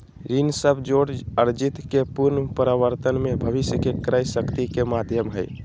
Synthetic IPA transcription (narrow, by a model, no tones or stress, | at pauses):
ɾinsəbʱd͡ʒoɽəɾd͡ʒit̪kepuɾnpəɾəʋəɾt̪ənmebʱəbisjəkekəɾəjsəkt̪ikemad̪ʱjəmɦəj